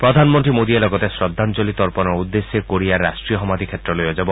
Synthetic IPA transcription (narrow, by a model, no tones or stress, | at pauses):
pɾɔd̪ʱanmɔnt̪ɾimod̪ielɔɡɔt̪esɾɔd̪ʱːant͡ʃolit̪ɔɾpɔnɔud̪ːesːekoɾiaːasʈɾiɔɦɔmad̪ʱikʰet̪ːɾɔlojɔd͡ʒabɔ